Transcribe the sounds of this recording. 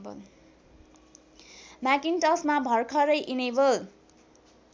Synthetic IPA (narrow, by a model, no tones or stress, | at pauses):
bʌl | makinʈʌsmabʱʌrkʰʌɾʌjʔinebʌl